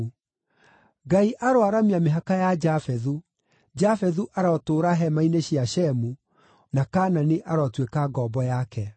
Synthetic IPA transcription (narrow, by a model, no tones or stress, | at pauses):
ɡaiʔaɾowaɾamiameɦakajad͡ʒafɛðu | d͡ʒafɛðuʔaɾɔtoːɾaɦɛmaineɕiaɕɛmu | nakaːnaneʔaɾɔtwekaɡɔbɔjakɛ